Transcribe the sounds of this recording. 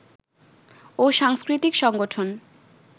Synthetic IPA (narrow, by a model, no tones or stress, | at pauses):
oʃaŋskɾit̪ikʃɔŋɡoʈʰon